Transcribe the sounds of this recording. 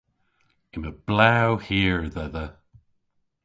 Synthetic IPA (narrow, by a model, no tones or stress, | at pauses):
ɪməb̥lawhiːɹðɛðə